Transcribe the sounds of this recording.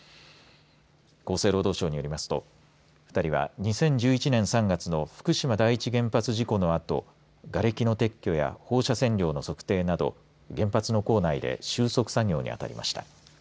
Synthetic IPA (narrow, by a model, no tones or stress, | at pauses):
ko̞ːse̞ːɾo̞ːd̪o̞ːɕo̞ːɲ̟ijo̞ɾimasɨ̥t̪o̞̰ | ɸɯ̟̥t̪aɾʲiβa̰ɲ̟isẽ̞ɲ̟d͡ʑɨːit͡ɕinẽ̞ɰ̃sãŋɡat͡sɨno̞ɸɯ̟̥kɯ̟ɕimad̪aiːt͡ɕiɡẽ̞mpat͡sɨʑiko̞no̞at̪o̞̰ | ɡaɾe̞kʲino̞t̪e̞kʲːo̞ja̰ho̞ːɕasẽ̞ɲɾʲo̞ːno̞so̞kɯ̟̥t̪e̞ːnad̪o̞̰ | ɡẽ̞mpat͡sɨno̞ko̞ːnaid̪e̞̰ɕɨːso̞kɯ̟̥saɡʲo̞ːɲ̟ḭa̰t̪a̰ɾʲḭmʔa̰ɕi̥t̪a